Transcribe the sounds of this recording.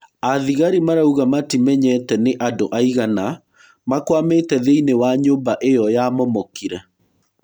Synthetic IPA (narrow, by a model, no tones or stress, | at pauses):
aðiɣaɾimaɾauɣamatimɛɲɛtɛneʔadoʔaiɣana | makwametɛðeinewaɲoːmbaʔejɔjamɔmɔkiɾɛ